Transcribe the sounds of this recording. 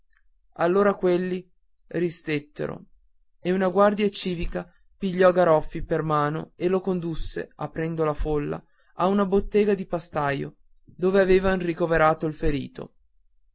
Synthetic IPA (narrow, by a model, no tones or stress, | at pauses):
alːoːɾakwelːi | rist̪et̪ːḛɾo̰ | eunaɡward̪jat͡ʃiːvika | piʎːɔɡaɾɔfːipermaːno̰elokond̪usːḛapːɾɛnd̪olafolːa̰ | aunabot̪ːeːɡad̪ipast̪ajo̰ | d̪oːveaveːvanrikoveɾaːt̪oilfeɾḭːt̪o̰